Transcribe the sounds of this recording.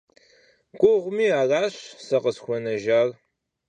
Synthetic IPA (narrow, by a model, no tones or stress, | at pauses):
ɡʷʼʊʁʷʊmiːaːraːɕsɐqəsxʷɔnɐʒaːr